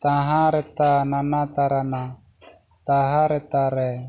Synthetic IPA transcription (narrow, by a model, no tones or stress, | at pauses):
t̪aɦãɾɛt̪ananat̪aɾana | t̪aɦaɾɛt̪aɾɛ